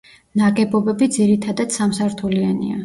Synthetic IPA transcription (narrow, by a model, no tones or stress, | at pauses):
naɡɛbɔbɛbid̪ziɾit̪ʰad̪ad̪̥samsaɾt̪ʰulianḭa̰